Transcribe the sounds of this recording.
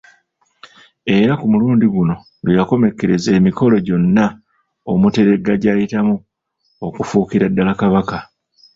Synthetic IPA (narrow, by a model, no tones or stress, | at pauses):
e̞ɾakumuluːndiɡuno̞ | lujako̞me̞kːe̞ɾe̞ze̞ːmiko̞lo̞ɟo̞nːa | omute̞ɾe̞ɡaɟaːjitamu | o̞kufuːkiɾadːalakaβaka